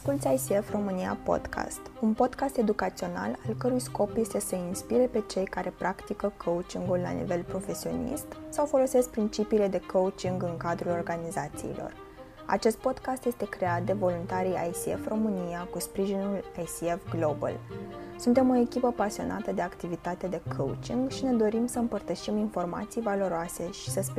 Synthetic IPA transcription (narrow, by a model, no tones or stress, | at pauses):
askult̪sʲajsiefro̞mɨnia̰po̞̰d̪kʰa̰st̪unpo̞d̪kast̪e̞d̪ukat̪sio̞na̰lalkəɾujsko̞pje̞st̪e̞səinspiɾe̞pe̞t͡ʃe̞jkaɾe̞pɾʔakt̪ikəkʰout͡ʃiŋɡulːa̰nḭve̞lpɾo̞fe̞sio̞̰nḭst̪sawfo̞lo̞se̞sk̚pɾint͡ʃipiːle̞d̪e̞kʰowut͡ʃiŋɡɨŋkad̪ɾulo̞rɡanizat̪sḭːlʔo̞̰r | a̰t͡ʃe̞st̪̚po̞d̪kast̪je̞st̪e̞kɾe̞at̪̚d̪e̞vo̞lunt̪aɾija̰jsiḛfro̞mɨnijakuspɾiʒinulajsiefɡlo̞bə̰lsunt̪e̞mo̞e̞kʲipəpasio̞̰na̰t̪əd̪e̞akt̪ivit̪at̪ed̪e̞kʰoṵt͡ʃiŋɡʃine̞d̪o̞ɾimsəɨmpərt̪əʃiminfo̞rma̰t̪sijvalo̞ɾoase̞ʃi̥səsp